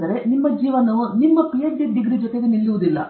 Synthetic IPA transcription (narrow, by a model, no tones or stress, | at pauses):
d̪ɐɾe̞nimːɐd͡ʒiːʋɐnunimːɐpijɐːid̪iɡɾid͡ʒot̪e̞ɡenilːuʋud̪ilːɐ̰